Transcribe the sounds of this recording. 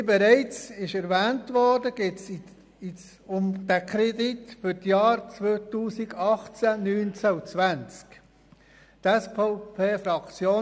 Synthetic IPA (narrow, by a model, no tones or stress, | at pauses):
bɛɾɛɪt͡sɪʃɛɾvɛːntvɔɾdəɡ̥eːts | ɪ | ʊmd̥ækʰɾeditfʏɾtjɑːɾt͡sʋotuːsiɡɑχt͡sænyːnt͡saut͡sʋænt͡sk | tɛspopʰeːfɾɑkt͡sjoː